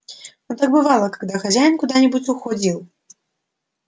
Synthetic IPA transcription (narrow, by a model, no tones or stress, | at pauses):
nut̪aɡbɨvalˠɐkaɡd̪axazʲajnkud̪anʲɛbut͡sʲuxɔd͡zʲiw